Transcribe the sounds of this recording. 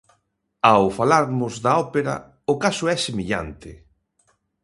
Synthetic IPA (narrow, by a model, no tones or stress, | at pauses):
awfalaɾmʊzðaɔpeɾa̰ | ʊkasʊɛsemeʎa̰nt̪ɪ